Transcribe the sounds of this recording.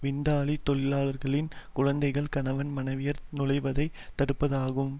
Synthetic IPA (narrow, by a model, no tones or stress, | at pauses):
ʋɪnd̪aːɭit̪ɔɭɪlaːlɐɾɣɐɭɪnkʊɻɐnd̪ɐɪɣɐɭkɐnɐʋɐnmɐnɐɪʋɪjɐɾnʊɻɐɪʋɐðɐɪ | t̪ːɐɽɯpːɐðaːɣɯm